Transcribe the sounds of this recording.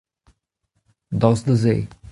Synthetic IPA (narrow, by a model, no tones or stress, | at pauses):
d̪ɔsd̪əze